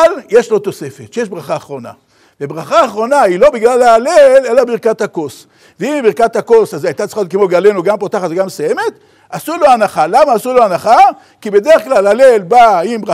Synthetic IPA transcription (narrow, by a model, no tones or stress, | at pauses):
lje̞ʃlo̞t̪o̞se̞fet̪ʃejeʃbʁaχaːχʁo̞na̰ | vebʁaχaːχʁo̞nailo̞biɡlalaːlele̞labiʁkat̪hako̞s | veimbiʁkat̪hako̞sazajt̪att͡sliχajot̪kemoɡale̞nuɡampot̪aχat̪veɡamsaje̞me̞t̪ | asulo̞anaχalamaːsuloanaχa | kibe̞d̪eʁeχklalalelbaimbʁa